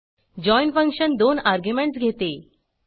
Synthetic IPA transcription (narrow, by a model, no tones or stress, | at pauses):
d͡ʑɔiɳfə̃ŋkɕənd̪onaɾɡjumẽɳʈsɡʱet̪e